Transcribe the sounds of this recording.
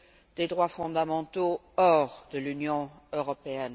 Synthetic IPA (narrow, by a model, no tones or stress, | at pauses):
d̪ed̪ʁwafɔ̃d̪amɑ̃t̪o | ɔʁd̪əlynjɔ̃ | øʁɔpeɛn